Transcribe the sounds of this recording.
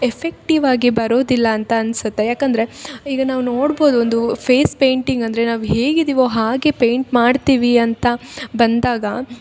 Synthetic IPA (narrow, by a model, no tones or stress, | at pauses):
efʰek̚ʈiʋaːɡibɐɾoːd̪ilːɐːnt̪ɐːnsut̪ːe̞jaːkɐnd̪ɐɾe̞iːɡɐnaːʋuno̞ːɽbo̞ːd̪uond̪upʰeːspe̞jɳʈiŋɡɐnd̪ɐɾenaːʋuɦe̞ːɡid̪iʋo̞ːɦaːɡe̞pe̞jɳʈmaːɖt̪iːʋiɐnt̪ɐbɐnd̪aːɡɐ